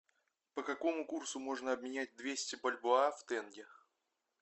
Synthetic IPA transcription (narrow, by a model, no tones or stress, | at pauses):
pəkɐko̞mʊkursʊmo̞ʐnəɐbmʲɪnʲæt̚ʲd̪vʲesʲtʲɪbəlʲbʊaft̪ɛnɡʲɪ